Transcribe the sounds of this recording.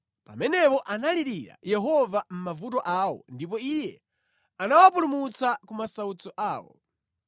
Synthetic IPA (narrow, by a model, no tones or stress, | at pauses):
pa̰mɛnɛpɔʔanaliɾiɾa̰jɛɦɔvam̩mavut̬ɔʔaːwɔ̰ndip̬ɔijɛ | anawapulumut͡sakumasaut͡sɔʔaːwɔ̰